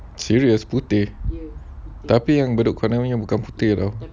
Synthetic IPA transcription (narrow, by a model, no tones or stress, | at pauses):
siɹiəsput̪ɪh | t̪apijaŋbədʊʔkanaɲãbukanput̪ɪhdow